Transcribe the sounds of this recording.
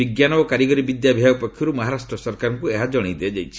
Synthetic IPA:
iɡjanɔbɔkaɾiɡɔɾibid̪jabʱiaɡɔpɔkʰːjɔɾumaɦaɾasʈɾɔsɔɾkaɾɔŋkueɦad͡ʒɔɽ̃id̪eed͡ʒajt͡ʃʰi̥

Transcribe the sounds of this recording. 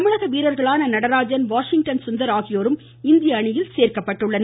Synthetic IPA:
mɪɭɐɣɐʋiːɾɐɾɣɐɭaːnɐnɐɽɐɾaːd͡ʒɐnʋaːʂɪŋ̚ʈɐnsʊnd̪ɐɾaːɣɪjoːɾɯm | ɪnd̪ɪjɐːɳɪjɪlseːɾkɐpːɐʈːɯɭːɐn

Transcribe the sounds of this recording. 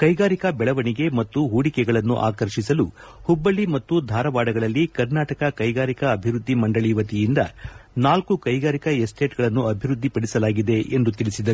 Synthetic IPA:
kɐjɡaːɾikɐbɛɭɐʋɐniɡe̞mɐt̪ːuɦuːɽikɛɡɐɭɐnːṵʔa̰ːkɐɾʃisɐlu | hubːɐɭimɐt̪ːud̪ʱaːɾɐʋaːɽɐɡɐɭɐlːikɐɾnaːʈɐkɐkɐjɡaːɾikɐːbʱiɾud̪ʱːimɐɳɖɐɭiːʋɐt̪ijind̪ɐ̰naːlkukɐjɡaːɾikɐesʈʰe̞ːʈɡɐɭɐnːuɐbʱiɾud̪ʱːipɐɽisɐlaːɡid̪e̞ʔend̪ut̪iɭisid̪ɐɾu

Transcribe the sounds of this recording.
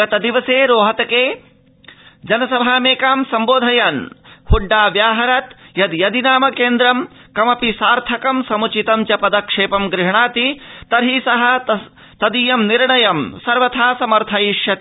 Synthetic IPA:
ɐt̪ɐd̪iʋɐseːɾoːɦɐt̪ɐkeː | d͡ʒɐnɐsɐbʱaːmeːkaːmsɐmboːd̪ʱɐjaːnhuɖːaːʋjaːɦɐɾɐt̪jɐd̪jɐd̪inaːmɐkeːnd̪ɾɐmkɐmɐpisaːɾt̪ʰɐkɐmsɐmut͡ʃit̪ɐmt͡ʃɐpɐd̪ɐkʂeːpɐmɡɾɪɦɳaːt̪it̪ɐɾɦisɐɦɐ | t̪ɐd̪ijɐmniɾɳɐjɐmsɐɾʋɐt̪ʰaːsɐmɐɾt̪ʰɐjiʂjɐt̪i

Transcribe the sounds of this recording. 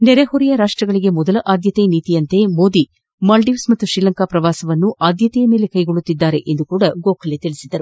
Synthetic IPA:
nɛɾeɦoɾijɐɾaːʂʈɾɐɡɐɭiɡe̞mɔd̪ɐlɐʔaːd̪jɐt̪ejɐniːt̪ijɐnt̪e̞mo̞ːd̪i | mɐlɖiʋsmɐt̪ːuʃɾiːlɐŋkaːpɾɐʋaːsɐʋɐnːuʔaːd̪jɐt̪ɛjɐme̞ːle̞kɐjɡoɭːut̪ːid̪ːaːɾeʔend̪ukuːɽɐɡoːkʰɐlet̪iɭisid̪ɐɾu

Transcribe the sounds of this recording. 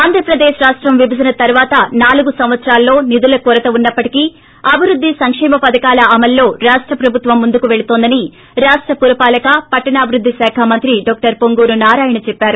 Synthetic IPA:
aːnd̪ʱɾɐpɾɐd̪eːʃɾaːʂʈɾɐmʋibʱɐd̪ɐnɐt̪ɐɾuʋaːt̪ɐnaːluɡusɐmʋɐt̪sɾaːlːo̞ːnid̪ulɐkuɾɐt̪ɐunːɐpːɐʈiki | ɐbʱiɾud̪ʱːisɐŋkʂɛːmɐpɐd̪ɐkaːlɐʔɐmɐlːo̞ːɾaːʂʈɾɐpɾɐbʱut̪ʋɐmːund̪ukuʋe̞ɭut̪oːnd̪ɐni | ɾaːʂʈɾɐpuɾɐpaːlɐkɐpɐʈːɐɳaːbʱiɾud̪ʱːisaːkʰaːmɐnt̪ɾiɖɔːk̚ʈɐɾpoŋɡuːɾunaːɾaːjɐɳɐt͡ʃɛpːaːɾu

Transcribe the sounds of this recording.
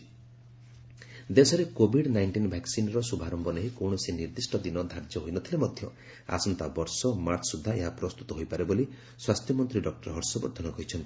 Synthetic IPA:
d̪esɔɾekobʱiɖnajɳʈinbʱaksinɔɾɔsubʱaɾɔmbɔneɦikɔwɳ̃ɔsiniɾd̪isʈɔd̪inɔd̪ʱaɾd͡ʒɔɦojnɔt̪ʰilemɔd̪ʱjɔ | a̰sɔnt̪abɔɾsɔmaɾt̪ʰsud̪ʱːaeɦapɾɔst̪ut̪ɔɦojpaɾeboli | swast̪ʰjɔmɔnt̪ɾiɖɔk̚ʈɔɾɦɔɾsɔbɔ̰ɾd̪ʰʱɔnɔkɔɦit͡ʃʰɔnt̪i̥

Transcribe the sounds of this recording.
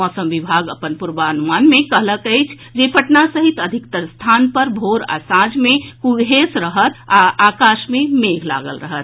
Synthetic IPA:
ɔsəmʋibʱaɡəpənpuɾbaənumanmekəɦləkəjt͡ʃʰ | d͡ʒepəʈnasəɦit̪əd̪ʱikt̪əɾst̪ʰanpəɾbʱoɾa̰sãd͡ʒmekuɡɦesɾəɦət̪ʰaakaʃmemeɡʱla̰ɡəlɾəɦət̪

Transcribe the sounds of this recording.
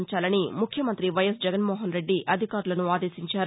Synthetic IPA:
ɲt͡ʃaːlɐnimukʰjɐmɐnt̪ɾiʋɐjɐsd͡ʒɛɡɐnmoːɦɐnɾe̞ɖːiʔʔɐd̪ʱikaːɾulɐnuaːd̪e̞ːsiɲt͡ʃaːɾ

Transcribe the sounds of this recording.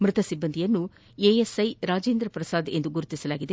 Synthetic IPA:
mɾɪt̪ɐsibːɐnd̪ʱijɐnːu | eːesɐjɾaːd͡ʒeːnd̪ɾɐpɾɐsaːd̪end̪uɡuɾut̪isɐlaːɡid̪e

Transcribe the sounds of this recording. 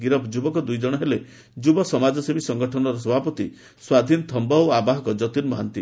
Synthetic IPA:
ɡiɾɔpd͡ʒubɔkɔd̪ujd͡ʒɔɽ̃ɔɦele | d͡ʒubɔsɔmad͡ʒɔsebisɔŋɡɔʈʰɔnɔɾɔsɔbʱapɔt̪i | swad̪ʱinɔt̪ʰɔmbɔwabaɦɔkɔd͡ʒɔt̪inmɔɦant̪i

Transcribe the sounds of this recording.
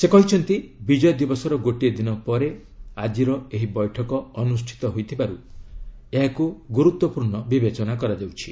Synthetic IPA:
sekɔɦit͡ʃʰɔnt̪ibid͡ʒɔjɔd̪ibɔsɔɾɔɡoʈied̪inɔpɔɾe | ad͡ʒiɾɔeɦibɔjʈʰɔkɔːnusʈʰi̥t̪ɔɦojt̪ʰibaɾu | eɦakuɡuɾut̪wɔpuɾɳɔbibet͡ʃɔnakɔɾad͡ʒawt͡ʃʰi̥

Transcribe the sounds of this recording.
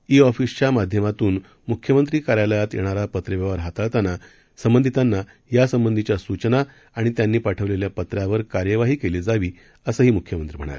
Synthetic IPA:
iɔfist͡ɕamad̪ʱjəmat̪uːn | mukʰjəmənt̪ɾiːkaɾjaləjat̪jḛɽ̃aɾapət̪ɾeʋaʋəɾɦat̪aɭt̪ana | səmbənd̪ʱit̪anːa | jasəmbənd̪ʱit͡ɕjasut͡ɕna | aɽ̃it̪janːiːpaʈʰəʋleljapət̪ɾjaʋəɾkaɾjəʋaɦiːkeliːd͡zaʋiː | əsəɦiːmukʰjəmənt̪ɾiːm̤ə̰ɽ̃a̰ɾe

